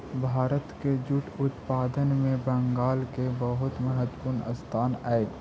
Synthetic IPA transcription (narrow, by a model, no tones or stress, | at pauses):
bʱaːɾət̪ked͡ʒʊʈʊt̪paːd̪ənmẽbə̃ŋɡaːlkebəɦʊt̪məɦət̪pʊɾnə̰st̪ʰaːnaːe